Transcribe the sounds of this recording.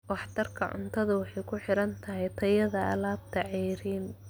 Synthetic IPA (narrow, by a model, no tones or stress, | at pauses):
wɑħt̪ʰɐrkʰɐʕʊ̰nt̪ʰɐðɐwɑħɑjkʰʊħɪɾɐnt̪ʰɐɦɛjt̪ʰɐjɐðɐɐ̰laːb̚t̪ʰɐʕɛːɾiːn